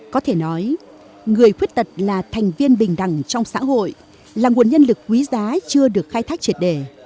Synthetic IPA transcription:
kɔ˨˦t̪ʰe˧˩nɔ˨˦j | ŋɨ˨˩əjxwət̚t̪ə˨˩t̚laː˨˩t̪ʰɛ˨˩jŋ̟vi˧ənɓï˨˩ŋ̟ɗa˨˧˩ŋt͡ɕɔ˧wŋ͡msa̰ː˧˥ɦo̰˧˨j | laː˨˩ŋu˨˩ənɲə˧nlɨ˨˩k̚ːwi˨˦zaː˨˦t͡ɕɨ˧əɗɨ˨˩ək̚xaː˧jt̪ʰa˦˥k̚t͡ɕi˨˩ət̚ɗe˧˩

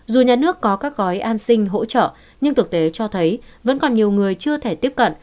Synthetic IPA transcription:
zu˨˩ɲaː˨˩nɨ˦˥əkːɔ˨˦kaː˦˥k̚ɣɔ˨˦jʔaː˧nsï˧ŋ̟ɦo̰˧˥t͡ɕə̰ː˧˨ | ɲɨ˧ŋt̪ʰɨ˨˩k̚t̪e˨˦t͡ɕɔ˧t̪ʰə˨˦jvə̰˧˥nkɔ˨˩nɲi˨˩əwŋɨ˨˩əjt͡ɕɨ˧ət̪ʰe˧˩t̪i˦˥əp̚kə̰˧˨n

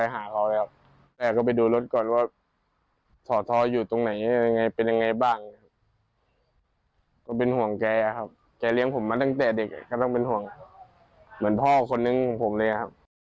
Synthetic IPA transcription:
a˧jɦaː˩˦kʰa˧˩wlɛː˧˩w | t̪ɛː˨˩kɔː˥˩pa˨˩jduː˧lo˦˥t̪̚kɔː˨˩nwaː˧˥˩ | t̪ʰɔː˨˩˦t̪ʰɔː˧juː˨˩t̪o˧ŋna˨˩˦ja˧˦˥a˧ŋːa˧jpe˧nja˧ŋːa˧jbaː˥˩ŋa˧˩˦kʰa˦˥p̚ | kɔː˥˩pe˧nhu˨˩˦əŋkɛː˧ʔa˨˩kʰa˦˥p̚ | kɛː˧˩li˧əŋpʰo˨˦mːaː˧t̪a˥˩ŋt̪ɛː˨˩de˨˩k̚kːa˥˩t̪ɔ˥˩ŋpe˧nhu˨˩˦əŋ | mɯ˩˦ənpʰɔː˥˩kʰo˧nːɯ˧ŋkʰɔː˨˩˦ŋpʰo˨˦mlɤː˧jʔa˨˩kʰa˦˥p̚

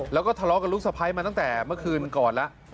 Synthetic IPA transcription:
lɛ˦˥wkɔ˥˩t̪ʰa˧lɔː˦˥ka˧nlu˦˥k̚sa˧˩pʰa˦˥jma˧t̪a˥˩ŋt̪ɛː˨˩mɯ˥˩əkʰɯː˧nkɔː˨˩nla˦˥ʔ

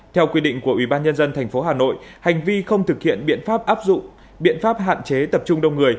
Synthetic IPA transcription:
t̪ʰɛ˧wkwi˧ɗḭ˧˨ŋ̟ku˧˩əʔwi˧˩ɓaː˧nɲə˧nzə˧nt̪ʰa˨˩ŋ̟fo˨˦ɦaː˨˩no̰˧˨jha˨˩jŋ̟vi˧xə˧wŋ͡mt̪ʰɨ˨˩k̚hḭ˧˨ənɓḭ˧˨ənfaː˦˥p̚ʔaː˦˥p̚zʊ̰˧˨ŋ͡m | ɓḭ˧˨ənfaː˦˥p̚ha̰ː˧˨nt͡ɕe˨˦t̪ə˨˩p̚t͡ɕʊ˧ŋ͡mɗə˧wŋ͡mŋɨ˨˩əj

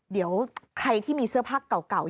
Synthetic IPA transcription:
di˩˦əwkʰɾa˧jt̪ʰiː˥˩miː˧sɯ˥˩əpʰaː˥˩kːa˨˩wka˨˩w

